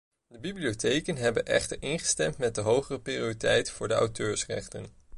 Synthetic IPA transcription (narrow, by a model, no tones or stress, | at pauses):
dəbibliotejkənɦɛbənʔɛ̰χtəɹʔɪnχə̥stɛmtmɛt̚dəɦowχərəpriioritɛjtfʊːɹdəɑ̰wtøːɹsrɛ̰χtən